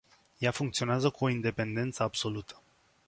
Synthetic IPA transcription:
jafuŋkt̪sio̞neazəkuo̞ind̪e̞pe̞nd̪e̞nt̪səabso̞lut̪ʰə̥

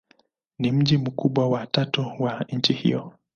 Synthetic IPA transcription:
nim̩ʄim̩kuɓwawatatuwaɲ̩t͡ʃihḭjɔ

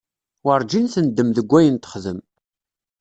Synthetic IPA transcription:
əɾˤd͡ʒinθənd̪ːəmðəɡʷːæjənt̪ə̥χðəm

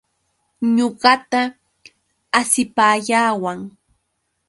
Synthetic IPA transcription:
ɲoɢɑt̪aː | sɪpaːʎaːwaŋ

